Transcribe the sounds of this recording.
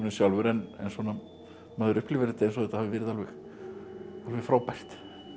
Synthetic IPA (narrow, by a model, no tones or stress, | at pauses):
nɪsjawlvʏɾɛnɛ̰nsɔːna | maːðʏɾʏhplɪvɪɾt̪ːɛnsɔɛt̪ahavɪvɪːɾɪðalvɛx | alvɛxfɾaːwpajr̥t̪